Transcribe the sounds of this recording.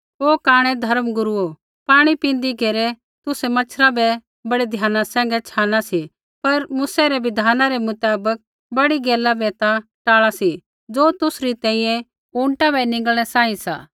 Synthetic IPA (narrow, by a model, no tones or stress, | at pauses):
oːkaːɽ̃ɛd̪ʱɐɾəmɡʊɾuo | paːɽ̃ipĩːnd̪iɡeːɾɛ | t̪ʊsɛmɐt͡ʃʰɾabɛ | bɐɽed̪ʱjaːnasɛ̃ːŋɡɛt͡ʃʰaːnasi | pɐɾmʊːsɛɾɛʋɪd̪ʱaːnãɾɛmʊt̪aːbək̚ | bɐɽiɡeːlabɛːt̪aʈaːɭasi | d͡ʒoːt̪ʊsɾit̪ɛ̃ːĩːjɛ̃ | ũːɳʈabɛnɪ̃ŋɡəlɽ̃ɛsãːĩsa̰ː